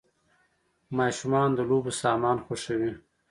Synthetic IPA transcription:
mɑʃumɑnd̪əlobosɑmɑːnxoʂəwi

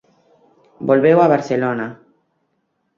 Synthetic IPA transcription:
bolβewaβaɾselona

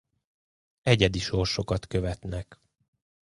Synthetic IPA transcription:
ɛɟɛd̪iʃo̞rʃo̞kɒt̪kø̞vɛt̪nɛk

